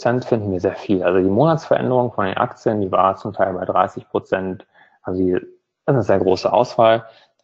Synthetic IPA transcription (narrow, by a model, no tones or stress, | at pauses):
t͡sɛntfɪndn̩viːɐzeːɐfiːlʔalzodiːmoːnatsfɛɐʔɛ̰ndəʁ̞ʊŋənfɔndḛːnʔa̰kt͡sjəndiːvaːt͡sʊmtʰaɪlbaɪdʁa̰ɪsɪçpʁ̥ot͡sɛnt | ʔalzodiː | ɪsnəzeːɐɡʁoːsəʔa̰ʊsv̥aːl